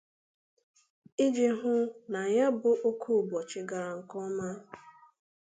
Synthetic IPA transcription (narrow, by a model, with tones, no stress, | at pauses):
i˦d͡ʒɪ˨ɦʊ˦na˨ja˦bʊ˦ʔo˦kʰu˦˨bɔ˨t͡ʃɪ˨ɡa˨ɾa˨ŋ̩˨kɔ˦ma˦